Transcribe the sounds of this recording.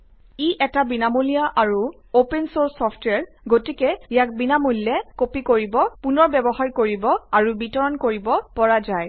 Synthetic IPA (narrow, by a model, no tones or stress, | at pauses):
iʔɛtabinamolijaʔaɹu | opɛnsoɹsːɔpʰtwɛɹ | ɡotikɛijak̚binamolːɛkopikoɹibɔpunɔɹbɛbɔɦaɹkoɹibɔaɹubitɔɹɔnkoɹibɔpɔɹazaj